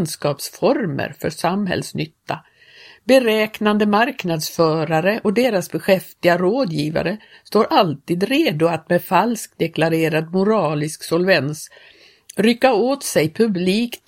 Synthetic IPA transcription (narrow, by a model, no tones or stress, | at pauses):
nskɑːpsfɔɾmə̰ɾfœʂamɦɛ̰lsnʏt̪ːa | bɛɾɛːknand̪əmaɾknad̪sfœːɾaɾəʔɔd̪eːɾasbɛɧɛft̪ɪɡaɾoːd̪jiːva̰ɾə | st̪oːɾʔalt̪iːd̪ɾeːd̪ʊat̪mɛfalsk̚d̪ɛklaɾeːɾad̪mʊɾɑːlɪsksɔlvɛns | ɾʏkːaoːt̪sɛjpʰɵbliːkt̪